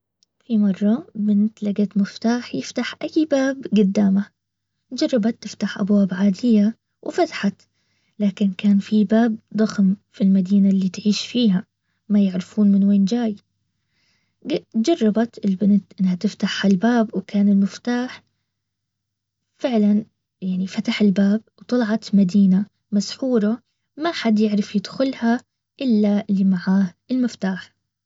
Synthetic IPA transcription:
fimɑrˤːɑbɪnɪt̪laɡat̪mɪft̪aːħjɪft̪aħʔajːbaːbɡʊd̪ːaːma | d͡ʒɑrˤːɑbat̪ːɪft̪aħʔa̰bwaːbʕaːd̪ɪjːa | wʔɪfat̪ḁħat̪ | laːkɪnkaːnfibaːb̚d̪ˤɑxmfilmad̪iːnalːiːt̪ʕiːʃfiːɦa | majɪʕɾɪfuːnmɪnweːnd͡ʒaːj | d͡ʒɑrˤːɑbat̪ʔɪlbɪnt̪ʔɪnːhat̪ɪft̪aħhalbaːbwkaːnɪlmɪft̪aːħ | fɪʕlan | jaʕnifat̪aħɪlbaːbwt̪ˤɑlʕɑt̪mad̪iːna | masħuːɾˤɑ | maħad̪jɪʕɾɪfjɪd̪xʊlha | ʔɪlːalimaʕaːhɪlmɪft̪aːħ

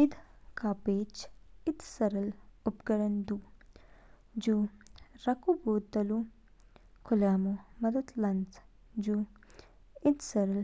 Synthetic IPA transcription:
ɪd̪kaːpeːt͡ʃɪd̪sɐɾɐlʊpɡɐɽɐnd̪u | d͡ʒuɾɐkuboːd̪t̪ːɐlu | kʰʊlaːmomɐd̪ɐd̪lɐnt͡s | d͡ʒu | ɪd̪sɐɾɐl

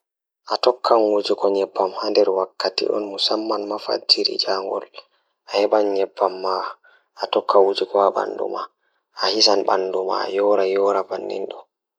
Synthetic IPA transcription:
ʔatɔkʰːanwud͡ʒikɔɲɛbːamhandɛɾwakːatḭɗɔ̰nmusamːanmafa̰d͡ʒiɾḭd͡ʒaːŋɡɔ̰l | ʔahɛɓanɲɛbːamːa | ʔatɔkʰːawud͡ʒikɔaɓa̰ndṵma̰ | ʔahisanɓa̰nduma̰jɔːɾajɔːɾabanːḭnɗɔ

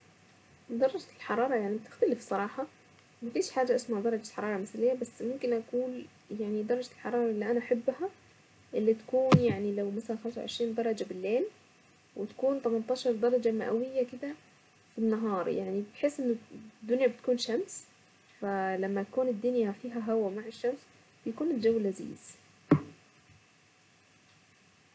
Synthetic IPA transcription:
d̪ˤɑrˤːɑd͡ʒt̪ɪlħɑɾˤɑːɾˤɑjaʕnib̚t̪ɪxt̪ælɪfsˤɑɾˤɑːħɑ | bæt̪iːʃħaːd͡ʒæʔɪsmæhd̪ˤɑɾˤɑd͡ʒet̪ħɑɾˤɑːɾˤɑmɪθælejːæbæsːmomkɪnʔækuːn | jaʕnid̪ˤɑɾˤːɑd͡ʒt̪elħɑɾˤɑːɾˤɑʔɪlːiʔænæʔaħabːhæ | ʔɪlːit̪æ̥kuːnjaʕnilæwmæsælænxæmsaw̰ʕeʃɾiːnd̪ɑɾˤɑd͡ʒabɪlːeːl | wɪt̪ḁkuːnt̪æmant̪ˤɑːʃɑɾˤd̪ɑɾˤɑd͡ʒamaʔæwɪjːakɪd̪æ | finːɑɦɑːɾˤjaʕnibt̪ħesːʔɪnːʊd̪ːʊnjabɪt̪̚kuːnʃams | fælæmːæt̪akuːnɪd̪ːʊnjæfiːɦæɦæwæmaʕeʃːæms | b̥ɪjkuːnɪld͡ʒawːlʔæzḭːz̥

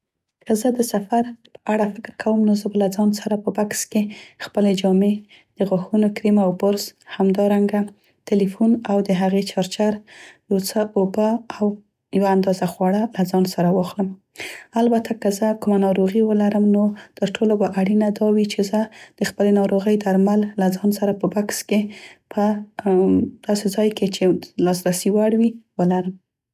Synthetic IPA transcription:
kəzəd̪əsafaɾpə̥ʔaɽafɪkɪɾkʰawəmnozəbalad͡zɑnsaɾapəbakskexpəled͡ʒɑme | d̪̥əɣaxunokɾimawbʊɾzhamd̪ɑɾaŋɡa | t̪ɪlifunawd̪əɦaɣet͡ʃɑɾt͡ʃaɾjawt͡səobaaw | jawaːnd̪ɑzaxwɑɽalazɑnsaɾawɑxləm | albat̪ʰakəzəkʊmanɑɾoɣiwəlaɾəmnot̪əɾʈʰolobaʔaɽinad̪ɑwit͡ʃezəd̪̥əxpəlenɑɾoɣəjd̪aɾmalːazɑnsaɾapəbakskepʰə | d̪̥ɑsezɑjket͡ʃelɑsɾasiwaɽwiwəlaɾəm

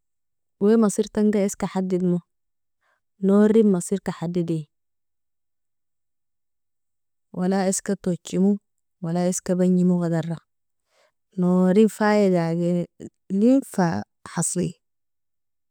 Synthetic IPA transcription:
wemɑsiɾt̪aŋɡaeskaħad̪ːid̪mo | noɾimɑsiːɾkaħad̪ːid̪i | walaeskat̪ot͡ʃːimu | walaeskabaɲːimuɣad̪ɑrˤːɑ | noɾinfajadaɡi | linfa | ħɑsˤlḭ

